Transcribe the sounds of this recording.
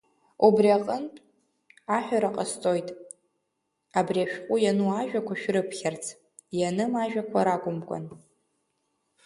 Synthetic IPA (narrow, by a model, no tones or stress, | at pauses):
ubriaqʼəntʼ | aħʷᶣaɾaqʼast͡sʼo̞jtʼ | abriaʃᶣqʷʼʊjanuaʒᶣakʷʰaʃᶣrɨpʰχʲart͡sʰ | janɨmaʒᶣakʷʰaɾakʷʼʊmkʷʼa̰n